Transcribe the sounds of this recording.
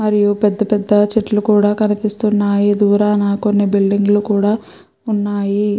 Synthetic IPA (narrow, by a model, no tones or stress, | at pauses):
mɐɾijupɛd̪ːɐpɛd̪ːɐt͡ʃiʈːlukuːɽaːkɐnipist̪unːaːjid̪uːɾaːnaːkonːibilɖiŋɡlukuːɽaː | unːaːji